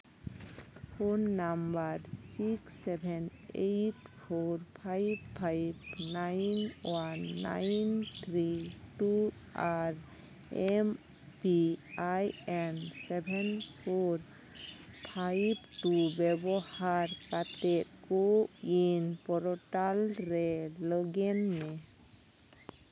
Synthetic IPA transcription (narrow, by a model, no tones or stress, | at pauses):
pʰonːambaɾsiksɛbʱɛnejʈpʰoɾpʰajbpʰːajbnajnwanːa̰jnt̪ʰɾiʈu | aɾ | em | piajɛnsɛbʱɛnpʰoɾ | pʰajbʈubɛbɔhaɾkatɛt̪̚koinpɔɾɔʈalɾɛlɔɡɛnːɛ